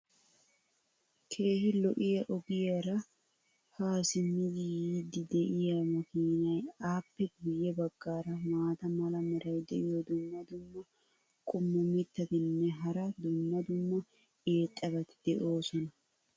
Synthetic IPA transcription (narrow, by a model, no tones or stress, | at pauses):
kʰe̞ːhɪlɔʔɪjɐʔɔɡɪjɐɾɐ | haːsɪmɪd̪ɪjiːd̪ɪd̪ɛʔɪjɐmɐkiːnɐjaːpːɛɡʊjːɛbɐɡːaːɾɐmaːt̪ɐmɐlɐmɛɾɐjd̪ɛʔɪjɔd̪ʊmːɐd̪ʊmːɐ | kʼʊmːʊmɪt̪ːɐt̪ɪnːɛɦɐɾɐd̪ʊmːɐd̪ʊmːɐ | eːt̪ʼːɐɡɐt̪ɪd̪̥ɛʔo̞ːsɔnɐ